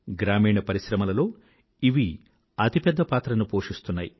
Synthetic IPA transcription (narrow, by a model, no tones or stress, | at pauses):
ɡɾaːmiːɳɐpɐɾiʃɾɐmɐlɐlo̞ː | iʋi | ɐt̪ipɛd̪ːɐpaːt̪ɾɐnupoːʂist̪unːaːji